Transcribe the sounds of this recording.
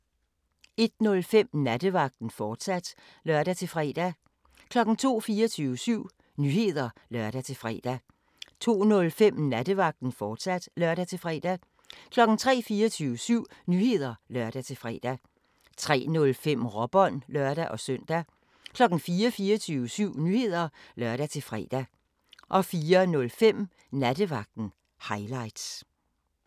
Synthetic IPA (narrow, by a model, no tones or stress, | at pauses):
e̝d̥nɔ̽lfem̰næd̥əʋɑ̈ɡ̥̚d̥n̩fɒːd̥sæd̥ | lɶɐd̥æt͡sʰe̝lfʁɛ̰ːd̥æ | kʰlɒ̽ɡ̥n̩t͡sʰo̝̰ːfiːɐt͡sʰyːʊəsyʊ̰ | nyhe̝ð̞̰ˠɐlɶɐd̥æt͡sʰe̝lfʁɛ̰ːd̥æ | t͡sʰo̝̰ːnɔ̽lfem̰næd̥əʋɑ̈ɡ̥̚d̥n̩fɒːd̥sæd̥lɶɐɾæt͡sʰe̝fʁɛ̰d̥æ | kʰlɒ̽ɡ̥n̩t͡sʰʁɛ̰ːfiːɐt͡sʰyːʊəsyʊ̰nyːhe̝ð̞̰ˠɐlɶɐd̥æt͡sʰe̝lfʁɛ̰ːd̥æ | t͡sʰʁɛ̰ːnɔ̽lfem̰ʁɒ̽b̥ɒ̽n̰lɶɐd̥æʔɒ̽sœn̰d̥æ | kʰlɒ̽ɡ̥n̩fiːɐfiːɐt͡sʰyːʊəsyʊ̰nyhe̝ð̞̰ˠɐlɶɐɾ̥æt͡sʰe̝lfʁɛ̰d̥æ | ʔɒ̽fiːɐnɔ̽lfem̰ | næd̥əʋɑ̈ɡ̥̚d̥n̩ | hɑ̈ɪlɑ̈ɪ̰d̥s